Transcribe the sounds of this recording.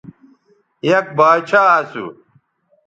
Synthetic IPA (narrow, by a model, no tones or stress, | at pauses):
jɐk̚baːt͡ɕʰaːaːsṵ